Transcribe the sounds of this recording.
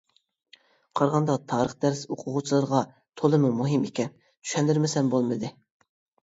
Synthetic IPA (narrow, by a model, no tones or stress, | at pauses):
qʰɑɾʁɑnd̪ɑt̪ʰɑːɾəχd̪æɾsoqʰʊʁut͡ʃʰilˠɨɾʁɑ | t̪ʰolˠɨmumuɦimekʲɛn | t̪ʰy̥ʃɛnd̪ɪɾmɪsɛnbolˠmɨd̪ɨ